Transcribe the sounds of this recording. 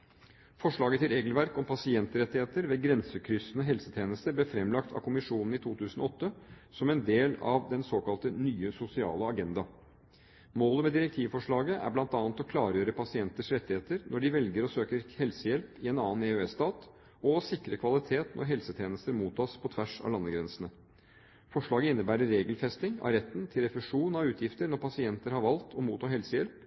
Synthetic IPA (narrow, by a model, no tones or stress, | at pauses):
fɔʂɭɑːɡət̪ʰɪlɾeːɡəlʋæɾkɔmpʰɑsɪɛnt̪əɾɛt̪ːɪheːt̪əɾʋeːɡɾɛnsəkʰɾʏsənəɦɛlsət̪ʰjeːnəst̪əɾbleːfɾɛmlɑkt̪ʰɑ̰kʰʊmɪʂuːnn̩ɪt̪ʰuːt̪ʰʉːsn̩ɔ̰ɔt̪ːə | sɔmɛnd̪eːlɑ̰ʋd̪ɛnsoːkɑlt̪ənyːəsʊsɪɑ̰ːləɑɡɛnd̪ɑ | moːləmɛːd̪ɪɾɛkt̪ʰiːʋfɔʂɭɑːɡəʔæ̰ɾblɑnt̪ɑːnt̪ɔkʰlɑːɾjøːɾəpʰɑsɪɛnt̪əʂɾɛt̪ːɪheːt̪əɾnʔɔɖɪʋɛlɡəɾɔsøːkəɾhɛlsəjɛlpɪɛnɑːneøɛst̪ɑːt̪ | ɔsɪkːɾəkʰʋɑlɪt̪ʰeːt̪nɔ̰ɾɦɛlsət̪ʰjeːnəst̪əɾmuːt̪ʰːɑːspʰɔt̪ʰʋæʂɑ̰ʋlɑnːəɡɾɛnsənə | fɔʂɭɑːɡəɪnːəbæːɾəːeːɡəlfɛst̪ɪŋɑ̰ɾɛt̪ːnt̪ʰɪlɾɛfɛʂuːnɑʉːt̪ʰjɪft̪əɾnɔɾpʰɑsɪɛnt̪əɾhɑɾʋɑlt̪ʰɔmuːt̪ʰɑːɾɦɛlsəjɛlp